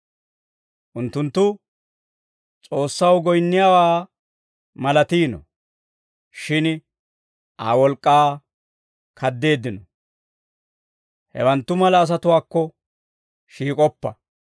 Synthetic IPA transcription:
ʔʊnt̪ːʊnt̪ːʊ | t͡sʼo̞ːsːɐwɡɔjnːɪjaːwaː | mɐlɐt̪iːnɔ̰ | ʃɪn | ʔa̰ːwɔlkʼːaː | kʰɐd̪ːe̞ːd̪ːɪnɔ | hɛ̰wɐnt̪ːʊmɐlɐːs̬ɐt̪ʊwaːkːɔ | ʃiːkʼɔpːɐ

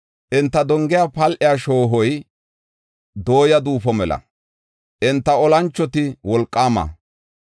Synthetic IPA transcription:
ʔɪnt̪ːɐd̪ɔŋɡɪjaːpɐlʔɪjaːʃo̞ːɦɔj | d̪o̞ːjɐd̪uːfɔmɛlɐ̰ | ʔɪnt̪ːɐɔlɐnt͡ʃːɔt̪ɪwɔlkʼːaːmɐ̰

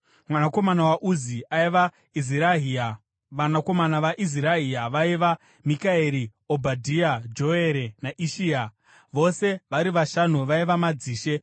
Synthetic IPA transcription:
mwanako̞manawaʔuziaiʋa | izi | ʋanako̞manaʋaʔiziɾaɦiaʋaiʋa | mikaeɾiobʱadʱiad͡ʒo̞e̞ɾenaʔiʃiːa | ʋo̞se̞ʋaɾiʋaʃanuʋaiʋamad͡ziːʃe̞

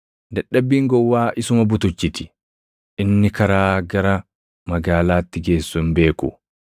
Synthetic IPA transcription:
d̪ɐɗːɐbːiːŋɡɔwːaːʔɪsʊmɐbʊt̪ʊt͡ʃːɪt̪ɪ̥ | ʔɪnːɪkɐɾaːɡɐɾɐ | mɐɡaːlaːt̪ːɪɡe̞ːsːʊnbe̞ːkʊ̰

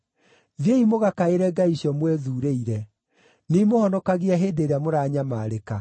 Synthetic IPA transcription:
ðjeimoɣakaeɾɛɡaiɕjɔmwɛðuːɾeiɾɛ | nimohɔnɔkaɣiaɦeːdeɾeamoɾaːɲamaːɾeka

